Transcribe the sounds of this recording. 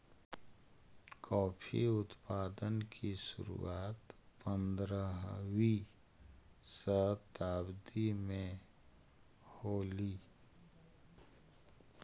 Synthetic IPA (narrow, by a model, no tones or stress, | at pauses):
kʰɔːpʰḭʊt̪paːd̪ənkʰisʊ̰ɾṵaːt̪pə̃nd̪ɾəɦwi | səɦt̪aːbd̪imẽ | hoːliː